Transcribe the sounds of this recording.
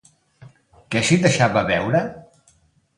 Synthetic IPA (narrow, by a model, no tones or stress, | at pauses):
kɛʃid̪əʃaβəβɛwɾə